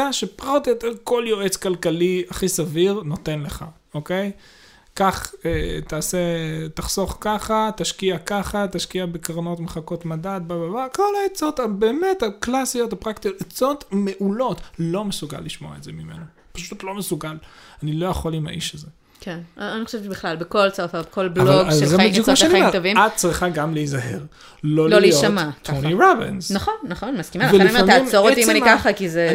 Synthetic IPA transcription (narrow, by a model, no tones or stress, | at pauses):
aʃepʁot̪jot̪eʁko̞ljoʔet͡skalkaliaχisaviʁno̞t̪e̞nle̞χa̰ | oke̞j | kaχetaːset̪aχso̞χkaχat̪aʃkiakaχataʃkiabekaʁno̞tmeχako̞t̪madat̪̚bababako̞laet͡so̞t̪abeːme̞thaklasijo̞thapʁakt̪ijot̪et͡so̞t̪me̞ʔulo̞tlo̞mesuɡa̰lːiʃmo̞a̰etzemime̞̰no | pḁʃutlo̞mesuɡalanilo̞jaχolima̰ʔiʃaze | kʰenanixoʃebiχlalbekolt͡safabekolblaovaɡazzebid̪jukmaʃanaaovimat̪̚t͡sʁiχaɡamleizaɦe̞̰ʁ | lo̞liljoamat̪ʰːoniʁobḭnzaχonːaχonmaskimaveliemimoʁoimanimkaχakize